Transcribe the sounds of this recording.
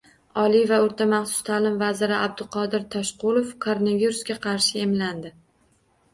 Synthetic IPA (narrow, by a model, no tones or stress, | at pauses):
ɒlivaoɾt̪ʰamaχsʊ̥st̪ʰaːlɪmvazɪɾɪab̚d̪ɪlqʰɒd̪ɪɾt̪ʰɒʃqʊlˠofkʰoɾoneviɾuskʲaqʰɑɾʃɪe̞mland̪ɪ